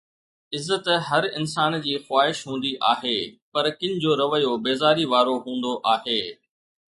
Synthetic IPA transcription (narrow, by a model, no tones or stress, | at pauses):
ɪzːət̪ɦɐɾɪnsaːnd͡ʑiːxwaːɦɪʃɦũːn̆d̪iʔaːɦeːpɐɾkɪ̃ɲ̆d͡ʑoːɾɐʋəjobeːzaːɾiʋaːɾoɦũːn̆d̪oʔaːɦeː